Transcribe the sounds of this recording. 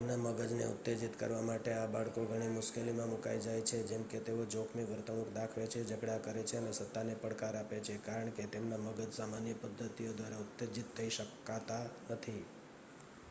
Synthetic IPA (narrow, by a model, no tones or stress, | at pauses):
t̪emnaməɡəd͡ʒnḛʊ̰t̪ːed͡ʒit̪kə̰ɾʋamaʈeabaɭkoɡʱəɽ̃imʊʃkelimãmuka̰jd͡ʒajt͡ʃʰed͡ʒemket̪eod͡ʒokʰmiʋəɾt̪əɽũkʰd̪akʰʋet͡ʃʰed͡ʒəɡɽakəɾet͡ʃʰeənesət̪ːanepəɽkaɾapet͡ʃʰekaɾəɳket̪emnaməɡəd͡ʒsamanjəpəd̪ʱːət̪ijod̪ʋaɾaut̪ːed͡ʒit̪ʰːəiʃəkːat̪anət̪ʰi